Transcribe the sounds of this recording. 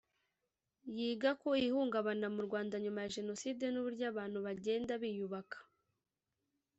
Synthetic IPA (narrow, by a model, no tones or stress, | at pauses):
jiːɡako̞ihuːŋɡaβanamuɾɡwaːndaɲumajaʒe̞no̞siːde̞nuβuɾɟaːβaːn̥huβaɟe̞ːndaβijuβakḁ